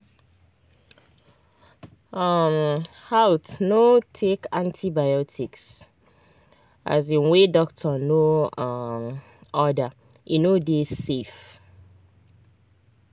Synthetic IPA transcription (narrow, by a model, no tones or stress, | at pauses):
am | hawtnotʰekãntʰibajɔtʰiks | ʔa̰zĩnwedɔk̚tʰɔno | m | ɔda | ʔinodezsef